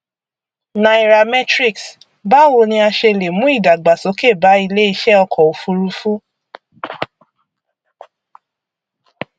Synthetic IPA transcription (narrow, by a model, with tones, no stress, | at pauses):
nã˨i˨ɾa˨mɛ˦tɾi˦˨ks | ba˦wo˧nĩ˧a˧ʃe˧˨le˨mũ˨˦i˦˨da˨ɡ͡ba˨sɔ˨˦ke˦˨ba˨˦i˧le˦i˧ʃɛ˦ɔ˧kɔ˨o˨fu˧ɾu˧˦fũ˦